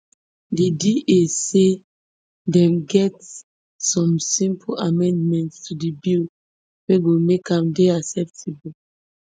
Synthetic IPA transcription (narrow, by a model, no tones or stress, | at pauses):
didiʔese | dɛ̃mɡɛt | sɔ̃msĩmpʰoamɛ̃ndmɛ̃ntstʰudibil | weɡomekʰãmdeasɛptʰibo